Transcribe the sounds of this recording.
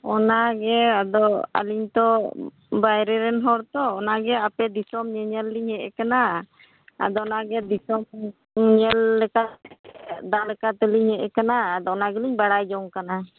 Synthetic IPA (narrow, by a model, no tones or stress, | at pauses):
ɔnaɡɛad̪ɔa̰liɲt̪ɔ | bajɾɛɾɛnɦɔɾt̪ɔːnaɡɛapɛd̪isɔmɲɛɲɛlːiɲhɛʔɛ̰kana | a̰d̪ɔnaɡɛd̪isɔm | ɲɛlːɛkat̪ɛɛd̪alɛkat̪ɛliɲhɛʔɛkanaːd̪ɔɔnaɡɛliɲbaɽajd͡ʒɔŋkana